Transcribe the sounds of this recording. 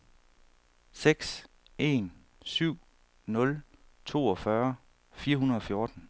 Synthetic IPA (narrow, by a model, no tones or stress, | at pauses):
seɡ̥s | e̝̰n | syʊ̰ | nɔ̽lt͡sʰo̝̰ːɒ̽fɶɐ | fiːɐɦunɐð̞̩ˠɒ̽fjo̝ɐd̥n̩